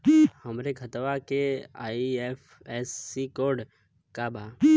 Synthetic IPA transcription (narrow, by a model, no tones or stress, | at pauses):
həmɾekət̪ʋakeaːieːf | ɛːsːiːkoːɾɖ | kaːbʱaː